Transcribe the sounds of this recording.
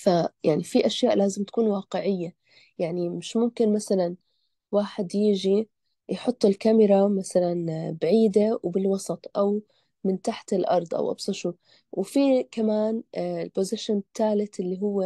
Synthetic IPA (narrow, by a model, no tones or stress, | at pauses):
fajaʕnifiʔaʃjaːʔlaːzɪmt̪ḁkuːnwɑːqɪʕɪjːa | jaʕnimɪʃmʊmkɪnmasalan | waːħɪd̪jɪʒi | jħʊt̪ˤːɪlkamɪɾˤamasalanbaʕiːd̪awbɪlwɑsˤɑt̪ˤʔaw | mɪnt̪aħt̪ɪlʔɑ̰ɾˤd̪ˤʔa̰wʔɑ̰bsˤɑʃuː | wfikamaːnɪlpozɪʃɪnt̪ːaːlɪt̪ʔɪlːiɦʊwːe